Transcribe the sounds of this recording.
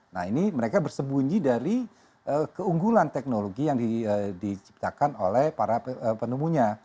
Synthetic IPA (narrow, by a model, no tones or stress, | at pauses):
nahiniməɾekabərsəbuɲd͡ʒidaɾi | ʔəkəuŋɡulant̪ɛk̚noloɡijaŋdiədit͡ʃi̥p̚t̪akano̰lɛhpaɾaəpənumuɲa